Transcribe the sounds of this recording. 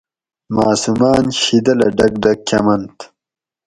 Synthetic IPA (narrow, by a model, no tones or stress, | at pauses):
maːsumaːnɕid̪ɐlɐɖɐɡ̚dɐkʰʲɐmɐnt̪